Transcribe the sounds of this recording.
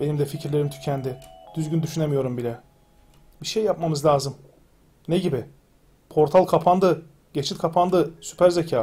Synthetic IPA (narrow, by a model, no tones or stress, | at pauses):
be̞nimd̪ɛficʰiɾlʲe̞ɾimt̪ʰy̥cʰænd̪ɪd̪̥yzɟynd̪yʃyne̞mijo̞ɾumbilʲɛ | biʃejːap̚mamɯzlʲaːzɯm | neɟibɪ | pʰo̞ɾt̪ʰalˠkʰapʰand̪ɯ | ɟ̥e̞t͡ʃʰit̪kʰapʰand̪ɯsy̥pʰæɾzecʰaː